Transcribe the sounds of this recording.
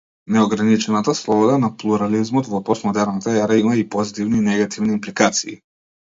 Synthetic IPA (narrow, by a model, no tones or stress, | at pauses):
nɛɔɡɾanit͡ʃɛnat̪aslˠɔbɔd̪anaplˠuɾalizmɔt̪vɔpɔsmɔd̪ɛɾnat̪aaɾaimaipɔzit̪ivninɛɡat̪ʰivniːmplikat̪sḭː